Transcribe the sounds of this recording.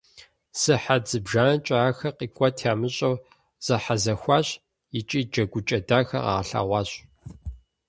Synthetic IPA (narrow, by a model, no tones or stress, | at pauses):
sɨħad͡zɨbʒaːnɐt͡ʃʼaaːxɐqiːkʷʼɔtʰaːmɨɕʼɐw | z̥ɐħazɐxʷɑːɕ | ɪt͡ʃʼiːd͡ʒɐɡʷʊt͡ʃʼɐdaːxɐ̰ʁɑ̰ːɬa̰ːʁʷɑːɕ